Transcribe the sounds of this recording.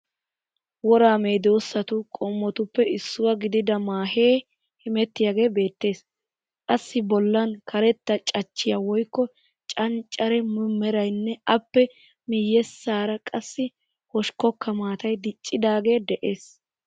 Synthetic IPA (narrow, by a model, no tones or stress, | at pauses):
wɔɾaːmeːd̪o̞ːsːɐt̪ʊkʼɔmːɔt̪ʊpːɛɪsːʊwɐɡɪd̪ɪd̪ɐmaːhe̞ː | hɪmɛt̪ːɪjaɡe̞ːbe̞ːt̪ːe̞ːs | kʼɐsːɪbɔlːɐnkʰɐɾɛt̪ːɐt͡ʃʼɐt͡ʃːɪjawɔjkːɔ | t͡ʃʼɐnt͡ʃʼːɐɾɛmʊmːɛɾɐjnːɛɐpːɛ | mɪjːɛsːaːɾɐkʼɐsːɪ | hɔʃkɔkːɐmaːt̪ɐjd̪ɪt͡ʃʼːɪd̪aːɡe̞ːd̪ɛʔe̞ːs